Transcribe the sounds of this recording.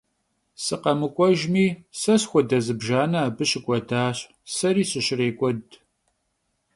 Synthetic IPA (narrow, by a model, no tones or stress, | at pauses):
sɨqɐmɨkʷʼɔʒmiːsɐɕxʷɔdɐzɨbʒaːnɐaːbɨɕɪkʷʼɔdaːɕ | sɐɾiːɕɪɕɪreːkʷʼɔd